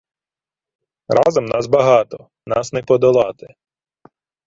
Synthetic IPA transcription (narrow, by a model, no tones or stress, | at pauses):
rɑzɔmnɑsbɐɦɑt̪ɔ | nɑsnɛpɔd̪ɔlˠɑt̪ɪ